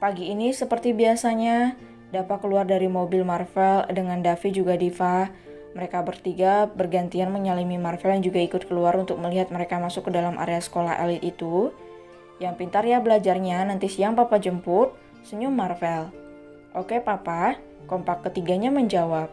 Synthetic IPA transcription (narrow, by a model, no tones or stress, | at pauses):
paɡiːnisəpərt̪ibiasaɲa | dapakəluardaɾimobɪlmarfɛldəŋandafit̪̚d͡ʒuɡadifa | məɾekabərt̪iɡabərɡant̪ianməɲalimimarfɛljand͡ʒuɡaikʊt̪̚kəluaɾunt̪ʊk̚məliɦat̪̚məɾekamasʊkːədalamʔa̰ɾeasə̥kola̰ɦʔa̰lɪt̪it̪u | jaŋpint̪aɾjabəlad͡ʒarɲanant̪isiaŋpapad͡ʒəmpʊt̪̚ | səɲʊmarfɛl | ʔokepapa | kɔmpakːət̪iɡaɲaməɲd͡ʒawap̚